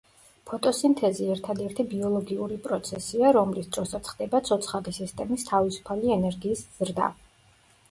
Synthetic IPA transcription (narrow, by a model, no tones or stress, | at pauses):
pʰɔt̪ʼɔsint̪ʰɛziɛɾt̪ʰad̪ɛɾt̪ʰibiɔlˠɔɡiuɾipʼɾɔt̪sʰɛsiaɾɔmlisd̪ɾɔsat̪sʰχd̪ɛbat̪sʰɔt̪sʰχaʁisist̪ʼɛmist̪ʰavisu̥pʰaliɛnɛɾɡiːsz̥ɾd̪a̰